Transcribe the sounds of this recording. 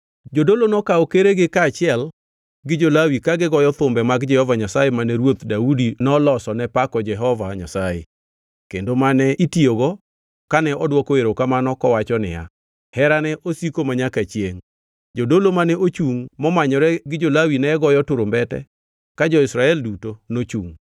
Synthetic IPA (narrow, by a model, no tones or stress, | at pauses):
d͡ʒodolonɔkaɔkeɾeɡɪkaːt͡ʃɪɛl | ɡɪd͡ʒolawikaɡɪɡɔjɔt̪ʊmbɛmaɡd͡ʒɛhɔvaɲasajemanɛɾwot̪daudinɔlɔsɔnɛpakɔd͡ʒɛɦɔvaɲa̰sajḛ | kendomanɛʔitioɡɔ | kanɛʔɔdwɔkoeɾokamanɔkɔwat͡ʃɔnɪ̰ja̰ | hɛɾanɛʔosikomaɲakat͡ʃjeŋ | d͡ʒodolomanɛʔot͡ʃuŋmɔmaɲɔɾɛɡɪd͡ʒolawinɛɡɔjɔtʊɾombɛtɛ̰ | kad͡ʒɔɪsɾaɛldutonot͡ʃuŋ